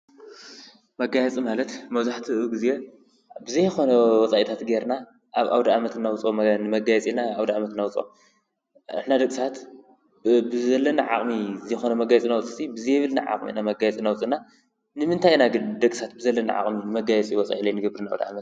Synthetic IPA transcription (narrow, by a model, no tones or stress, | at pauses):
mɐɡajɛt͡sʼimalɐt̪mɐβzaħt̪ʰiɨɡɨze | bɨzɐjxo̞nɐwɔt͡sʼajit̪ʰat̪ɡeɾna | ʔaβʔa̰wd̪aamɐt̪ɨnːawʊt͡sʼonɨmɐɡajɛt͡sʼinaawd̪aamɐt̪ɨnːawʊt͡sʼo̰ | ɨ̰ħnad̪ɐkʼsat̪ | bɨzɐlːɐnaʕa̰χʼmizɐjxonɐmɐɡajɛt͡sʼinawut͡sʼɨsibɨzɐjβɨlna̰ʕa̰qʼmḭnamɐɡajɛt͡sʼinawʊt͡sʼɨna | nɨmɨnt̪ʰajnaɡɨnd̪ɐkʼsat̪̚bɨzɐlːɐna̰ʕa̰χʼminɨmɐɡajɛt͡sʼiwɔt͡sʼa̰jilɐjnɨɡɐbɾɨna̰wd̪aa̰mɐt̪